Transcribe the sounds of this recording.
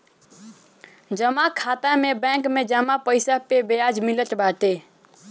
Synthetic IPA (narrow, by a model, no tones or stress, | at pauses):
d͡ʒəmakʰat̪amẽbɛ̃kmẽd͡ʒəmapəɪsapebejad͡ʒmilət̪bat̪e